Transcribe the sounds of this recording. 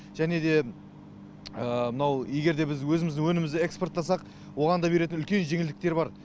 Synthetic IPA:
ʒ̥æne̞d̪e̞ | əmənɑwje̞ɡʲe̞ɾd̪e̞bɪzwɵzɪmɪzd̪ɪŋwɵnɪmɪzɪekspo̞rt̪ːɑsɑq | wo̞ʁɑnd̪ɑbe̞ɾe̞t̪ɪnʏlkʲe̞nʒe̞ŋɪld̪ɪkt̪e̞ɾbɑɾ

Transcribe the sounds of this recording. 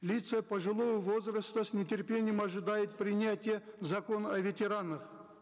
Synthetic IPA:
lʲit̪səpəʐɨlˠo̞vəvo̞zrəst̪əsnʲɪtʲerpʲe̞nʲɪjəmaʐɨd̪ajɪt̪̚pɾʲɪnʲatʲɪjəzɐko̞nɐvʲetʲe̞ɾanəχ

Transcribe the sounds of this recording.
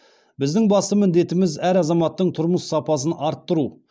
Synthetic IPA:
bɪzd̪ɪŋbɑst̪əmɪnd̪e̞t̪ɪmɪzæɾɑzɑmɑt̪ːəɴt̪ʰʊɾməsːɑpɑsənɑɾt̪ːəɾu

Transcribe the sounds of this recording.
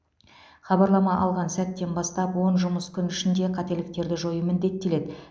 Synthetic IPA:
χɑbɑɾlˠɑmɑʔɑlˠʁɑnsæt̪ːe̞nbɑst̪ɑpwo̞nʒʊməskʲʰʏnɪʃɪnd̪e̞qʰɑt̪e̞lɪk̚t̪e̞ɾd̪ɪʒo̞jəmɪnd̪e̞t̪ːe̞le̞d̪ɪ

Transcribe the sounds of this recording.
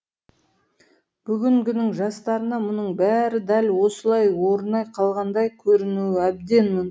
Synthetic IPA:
b̥ʏɡʲɪŋkʲʏnɪŋʒɑst̪ɑɾənɑmʊnəɴbæɾɪd̪ælwo̞səlˠɑjwo̞ɾənɑjqʰɑlˠʁɑnd̪ɑjkʲʰɵɾɪnuɪæb̚d̪e̞nmɪn

